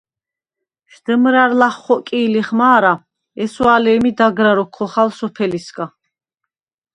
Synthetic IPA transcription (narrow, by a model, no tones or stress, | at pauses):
ʃd̪̥əmɾaɾlaχːɔkʼiːliχmaːɾa | ɛswalɛːmid̪aɡɾaɾɔkʰːɔχalsɔpʰɛlisɡa